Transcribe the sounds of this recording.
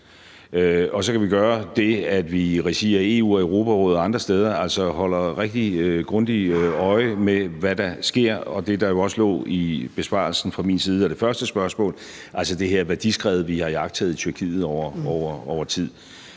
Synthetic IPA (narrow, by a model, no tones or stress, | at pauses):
øɒ̽sɒ̽kʰæʋiɡ̥ɶːɐd̥e̝æd̥ʋiʁisḛːɐe̝ːṵːɒeʊʁo̝ːpʰæʁɔ̽ːð̩ˠɑ̈nd̥ʁɐsd̥eð̞ˠɐæl̰sɒ̽hɒ̽l̰ɐʁeɡ̥̚d̥iɡ̥ʁɔ̽nd̥iɒ̽ɪəmeʋæd̥ɑ̈sɡ̥e̝ɐ̰ɒ̽d̥e̝d̥ɑ̈jo̝ɒ̽səlɔ̰ːib̥e̝sb̥ɑ̰̈ːlsn̩fʁɑ̈mḭːnsiːð̞̩ˠɒd̥e̝fɶɐsd̥əsb̥ɶɐsmɔ̰̽ːl | ʔælsəd̥e̝ɦeɐ̰ʋæɐd̥isɡ̥ʁɛ̰ːʊð̞̩ˠʋihɑ̈iɑ̈ɡ̥̚t͡sʰɛð̩ˠit͡sʰyɐkʰḭːð̩ˠɒʊɐɒʊɐɒʊɐt͡sʰið̰ˠ